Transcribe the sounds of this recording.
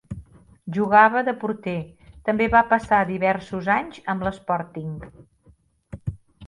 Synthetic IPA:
ʒuɣ̞aβəðəpuɾt̪et̪əmbeβapəsaðiβɛɾsuzaɲzəmbləspɔɾt̪iŋ

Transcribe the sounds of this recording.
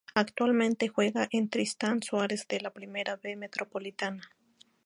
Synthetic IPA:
akt̪walment̪exweɣaʔent̪ɾist̪answaɾezd̪elapɾimeɾaβemet̪ɾʔopolit̪ana

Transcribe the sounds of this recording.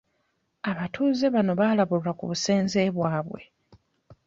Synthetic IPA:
aβatʰuːze̞βano̞βaːlaβululakṵβuse̞ːnze̞βwaːβwe̞̰

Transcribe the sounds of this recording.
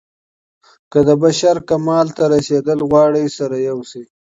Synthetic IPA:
kəd̪əbaʃaɾkamɑlt̪aɾased̪əlɣwɑːɽisaɾajawsi

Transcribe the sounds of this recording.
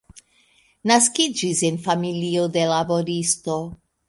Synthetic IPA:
naskid͡ʒisenfamilio̞de̞labo̞ɾisto̞

